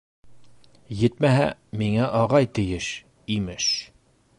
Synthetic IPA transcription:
jɘt̪mæɦæ̰miŋæʔɑʁɑjt̪ɘ̆jɘʃ | imɘʃ

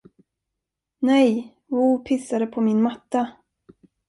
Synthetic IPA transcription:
nɛj | uːpʰɪsːad̪əpʰɔmɪnmat̪ːa

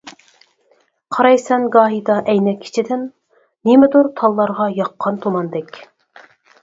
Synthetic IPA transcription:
qʰɑɾɑjsɛnɡɑːɦid̪ɑʔɛjnɛkʲʰːi̥t͡ʃʰid̪ɪnː | imɪd̪uɾt̪ʰɑlˠːɑɾʁɑjɑqʰːɑnt̪ʰomɑnd̪ɛkʲ

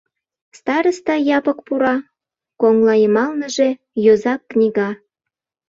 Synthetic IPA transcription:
st̪ɑɾəst̪ɑjɑpəkpuɾɑ | koŋlɑjəmɑlnəʒe̽ | jozɑkːnʲiɣɑ

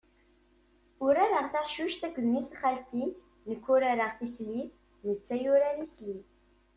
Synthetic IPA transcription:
ʊɾaɾəʁθaħʃuʃtθækʷːðmisχælt̪i | nəkʷːʊɾaɾəʁθisli | nət͡sːæjuɾænisli

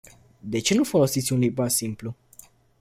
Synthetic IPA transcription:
d̪e̞t͡ʃe̞nufo̞lo̞sit̪sʲunlibasimplu

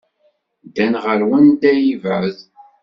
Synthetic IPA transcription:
d̪ænʁəɾwənd̪æjivæð

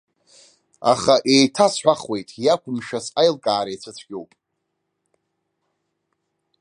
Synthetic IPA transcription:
a̰χaʔe̞jtʰasħʷᶣaχwe̞jtʼjakʷʰʊmʃasajlkʼaːɾajt͡sʷʰɨt͡sʷʰɡʲowpʼ

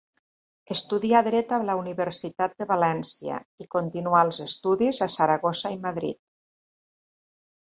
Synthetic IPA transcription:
əst̪uðiaðɾɛt̪alauniβəɾsit̪at̪̚d̪əβalɛnsia̰ikont̪inualˠzest̪uðizasaɾaɣosaimaðɾḭt̪̚

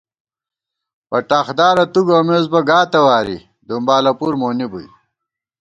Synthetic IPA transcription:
pɐʈaːxd̪aːɾɐt̪uɡoːmeːzbɐɡaːt̪ɐwaːɾḭ | d̪umbaːlɐpuːɾmoːnibuj

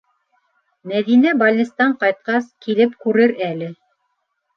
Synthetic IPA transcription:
mæðinæbɑlʲnʲist̪ɑɴqɑjt̪̚qɑskilɘpkʉɾɘɾælɘ

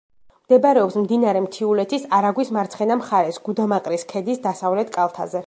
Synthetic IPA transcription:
md̪̥ɛbɾɛɔpsmd̪inaɾɛmt̪ʰiulɛt̪ʰisaɾaɡwismaɾt̪sʰχɛnamχaɾɛsɡ̥ud̪amaqʼɾiskʰɛd̪isd̪asavlɛt̪ʰkʼalˠt̪ʰa̰zɛ

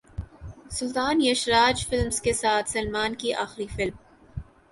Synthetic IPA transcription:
sʊlt̪aːnjɐʃɾaːd͡ʒfɪlmskesaːt̪ʰsɐlmaːnkiʔaːxɾifɪlm

